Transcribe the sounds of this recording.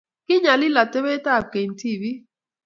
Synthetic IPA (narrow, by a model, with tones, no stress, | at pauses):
ki˦ɲa˨li˦la˨te˦we˦ta˦˨ke˨n̩˨ti˦˨vi˦